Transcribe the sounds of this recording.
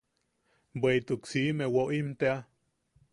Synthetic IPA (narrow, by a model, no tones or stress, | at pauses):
bweit̪uksimewoʔimt̪ea